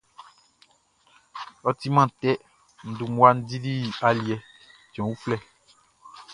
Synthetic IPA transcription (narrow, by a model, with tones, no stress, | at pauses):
ɔ˦t̪i˦mã˦˨t̪ɛ˦ | n̩˨du˨ŋu˦a˦n̩˦di˦di˦˨a˨li˨ɛ˨ | d͡ʒɔ̃˨wu˦flɛ˦˨